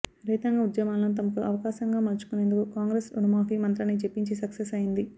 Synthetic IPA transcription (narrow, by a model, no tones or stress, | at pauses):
ɾiːt̪ɐŋɡɐud̪jɐmaːlɐnut̪̬ɐmɐkuʔɐʋɐkaːʃɐŋɡaːmɐɾt͡ʃu̥kune̞ːnd̪ukukaːŋɡɾeːsunɐmaːfiːmɐnt̪lɐnit͡ʃe̞pːiɲt͡ʃisɐksesɐjind̪i